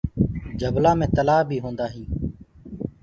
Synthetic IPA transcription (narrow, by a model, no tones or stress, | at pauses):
d͡ʒəblaːmẽːt̪əlaːbʱiːɦõːnd̪aːɦĩː